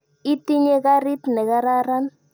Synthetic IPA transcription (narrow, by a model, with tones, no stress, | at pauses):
i˦t̪i˦ɲe˦ka˦ɾi˦t̪nɛ˨ɣa˦ɾa˦ɾa˦n